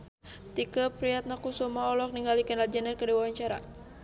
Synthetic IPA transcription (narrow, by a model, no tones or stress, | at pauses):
t̪ikəpɾiat̪̚nakusumaɔlɔk̚niŋɡalikənlad͡ʒanərkədiwawaɲt͡ʃaɾa̰